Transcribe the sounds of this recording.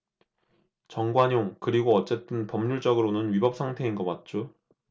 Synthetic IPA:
t͡ɕʌŋɡwaɲoŋkɯɾiɡoʌt͡ɕ͈e̞t͈ɯnpʌmɲuɭt͡ɕ͈ʌɡɯɾonɯnɥibʌp̚sʰaŋtʰe̞inɡʌmwat̚t͡ɕ͈o

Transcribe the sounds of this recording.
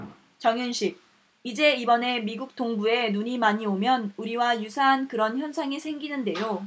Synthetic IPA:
t͡ɕʌŋjunɕʰik̚ | id͡ʑe̞ibʌne̞miɡuk̚t͈oŋbue̞nuɲimaɲiomjʌnuɾiwajusʰaɦankɯɾʌnçjʌnsʰaŋesʰe̞ŋɡinɯnde̞jo

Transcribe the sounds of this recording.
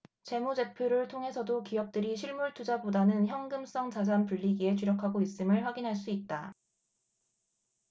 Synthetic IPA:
t͡ɕe̞mud͡ʑe̞pʰjoɾɯɭtʰoŋɦe̞sʰʌdokijʌk̚t͈ɯɾiɕʰiɭmuɭtʰud͡ʑabodanɯnçjʌŋɡɯms͈ʌŋt͡ɕad͡ʑanpuʎːiɡie̞t͡ɕuɾjʌkʰaɡois͈ɯmɯɭɸwaɡinɦaɭs͈uit̚t͈a

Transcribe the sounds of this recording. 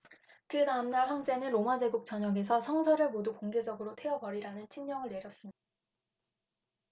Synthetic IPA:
kɯtaɯmnaɭɦjʌnd͡ʑe̞nɯnɾomad͡ʑe̞ɡuk̚t͡ɕ͈ʌɲʌɡe̞sʰʌsʰʌŋsʰʌɾɯɭmodukoŋɡe̞d͡ʑʌɡɯɾotʰe̞ʌbʌɾiɾanɯnt͡ɕʰinɲʌŋɯɭːe̞ɾjʌs͈ɯmɲi̥d̥a

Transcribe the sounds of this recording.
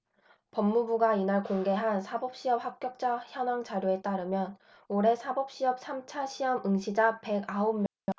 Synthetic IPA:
pʌmːubuɡainaɭkoŋɡe̞ɦansʰabʌp̚ɕ͈iʌp̚hak̚k͈jʌk̚t͡ɕ͈açjʌnwaŋt͡ɕaɾjoe̞t͈aɾɯmjʌn | oɾe̞sʰabʌp̚ɕ͈iʌp̚sʰamt͡ɕʰaɕʰiʌmɯŋɕʰid͡ʑape̞ɡaommʌ

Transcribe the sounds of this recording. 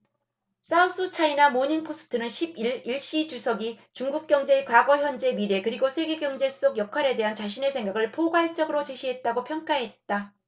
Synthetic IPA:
s͈aus͈ɯt͡ɕʰainamoɲinpʰos͈ʰɯ̥tʰɯnɯnɕʰibiɭiɭɕ͈it͡ɕusʰʌɡit͡ɕuŋɡuk̚k͈jʌŋd͡ʑe̞kwaɡʌçjʌnd͡ʑe̞miɾe̞kɯɾiɡosʰe̞ɡe̞ɡjʌŋd͡ʑe̞s͈oɡjʌkʰaɾe̞de̞ɦant͡ɕaɕ̬ʰine̞sʰeŋɡaɡɯɭpʰoɡwaɭt͡ɕ͈ʌɡɯɾot͡ɕe̞ɕʰiɦe̞t̚t͈aɡopʰjʌŋk͈aɦe̞t̚t͈a

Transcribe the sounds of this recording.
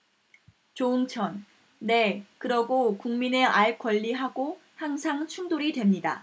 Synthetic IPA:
t͡ɕoɯŋt͡ɕʰʌnː | e̞kɯɾʌɡokuŋmine̞ʔaɭ̚k͈wʌʎːiɦaɡohaŋsʰaŋt͡ɕʰuŋdoɾidwe̞mɲida̰

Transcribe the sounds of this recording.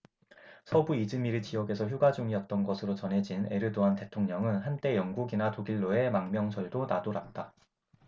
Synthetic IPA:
sʰʌbuid͡ʑɯmiɾit͡ɕijʌɡe̞sʰʌçjuɡad͡ʑuŋiʌt̚t͈ʌnɡʌsʰɯɾot͡ɕʌnɦe̞d͡ʑine̞ɾɯdoante̞tʰoŋɲʌŋɯnɦant͈e̞jʌŋɡuɡinatoɡiɭːoe̞maŋmjʌŋsʰʌɭdonadoɾat̚t͈a

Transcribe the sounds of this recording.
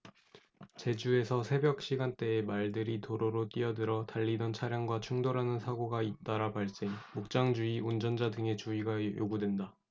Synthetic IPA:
t͡ɕe̞d͡ʑue̞sʰʌsʰe̞bjʌk̚ɕ͈iɡant͈e̞ːmaɭdɯɾitoɾoɾot͈iʌdɯɾʌtaʎːidʌnt͡ɕʰaɾjaŋɡwat͡ɕʰuŋdoɾanɯnsʰaɡoɡait͈aɾapaɭs͈eŋmuk̚t͡ɕ͈aŋd͡ʑuiund͡ʑʌnd͡ʑadɯŋe̞t͡ɕuiɡajoɡudwenda

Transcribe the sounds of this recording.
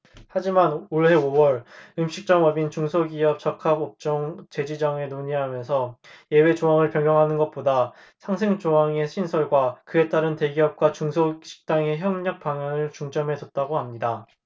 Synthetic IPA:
had͡ʑimanoɭɦe̞owʌɾɯmɕʰik̚t͡ɕ͈ʌŋʌbint͡ɕuŋsʰoɡiʌp̚t͡ɕʌkʰaɡop̚t͡ɕ͈ʌŋt͡ɕe̞d͡ʑid͡ʑʌŋe̞noɲiɦamjʌnsʰʌje̞we̞t͡ɕoaŋɯɭpjʌŋjʌŋɦanɯnɡʌt̚p͈oda | sʰaŋsʰe̞ŋt͡ɕoɦaŋe̞ɕʰinsʰʌɭɡwakɯe̞t͈aɾɯnte̞ɡiʌp̚k͈wat͡ɕuŋsʰoɕʰi̥k̚t͈aŋe̞çjʌŋɲʌk̚p͈aŋanɯɭt͡ɕuŋd͡ʑʌme̞d͡ʑʌt̚t͈aɡohamɲida

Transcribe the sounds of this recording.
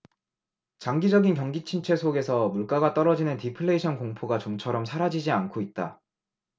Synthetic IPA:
t͡ɕaŋɡid͡ʑʌɡinkjʌŋɡit͡ɕʰint͡ɕʰwe̞sʰoɡe̞sʰʌmuɭk͈aɡat͈ʌɾʌd͡ʑinɯntipʰɯɭːe̞iɕʰʌnkoŋpʰoɡat͡ɕomt͡ɕʰʌɾʌmsʰaɾad͡ʑid͡ʑiankʰoit̚t͈a̰

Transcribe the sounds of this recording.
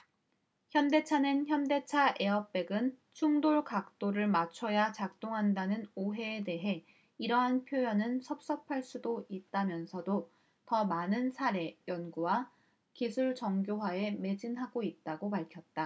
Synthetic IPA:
çjʌnde̞t͡ɕʰanɯnçjʌnde̞t͡ɕʰaʔe̞ʌp̚p͈e̞ɡɯn | t͡ɕʰuŋdoɭkak̚t͈oɾɯɭmat͡ɕʰʌjat͡ɕak̚t͈oŋɦandanɯnoɦe̞ːde̞ɦe̞ | iɾʌɦanpʰjojʌnɯnsʰʌp̚s͈ʌpʰaɭs͈udoit̚t͈amjʌnsʰʌdo | tʌmanɯnsʰaɾe̞jʌnɡuwa | kisʰuɭt͡ɕʌŋɡjoɦwaeme̞d͡ʑinɦaɡoit̚t͈aɡopaɭkʰjʌt̚t͈a

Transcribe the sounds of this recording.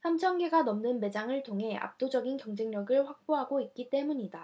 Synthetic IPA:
sʰamt͡ɕʰʌnɡe̞ɡanʌmnɯnme̞d͡ʑaŋɯɭtʰoŋɦe̞a̰p̚t͈od͡ʑʌɡinkjʌŋd͡ʑe̞ŋɲʌɡɯɭɸwak̚p͈oɦaɡoit̚k͈it͈e̞muɲida

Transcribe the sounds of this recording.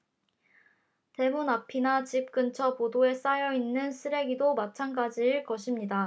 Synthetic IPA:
te̞munapʰinat͡ɕip̚k͈ɯnt͡ɕʰʌpodoe̞s͈ajʌinːɯnsʰɯɾe̞ɡidomat͡ɕʰanɡad͡ʑiɯɭkʌɕʰimɲida

